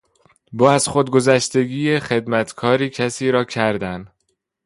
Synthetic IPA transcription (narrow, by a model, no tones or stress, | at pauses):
bɒːæzxod̪̚ɡo̞zæʃt̪e̞ɡiːjexe̞d̪mæt̪ʰkʰɒːɾiːcʰæsiːɾɒːcʰæɾd̪æn